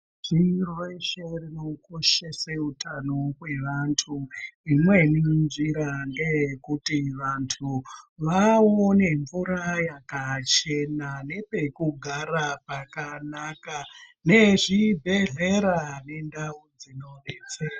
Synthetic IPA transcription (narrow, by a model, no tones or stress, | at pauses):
ʐ̥irweʃerino̞ko̞ʃeseutʰanowe̞ʋantʰuimwe̞nind͡ʒiɾanɡejekutiʋantʰuʋawone̞ɱvuɾajakat͡ʃe̞nane̞pe̞kuɡʱaɾapakanakane̞ʐibʱe̞ɮe̞ɾane̞ndaud͡zino̞neːt͡sa